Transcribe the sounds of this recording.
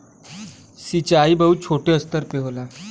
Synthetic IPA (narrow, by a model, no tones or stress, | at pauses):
sit͡ɕaibəɦut͡ɕʰoʈeəst̪əɾpeɦola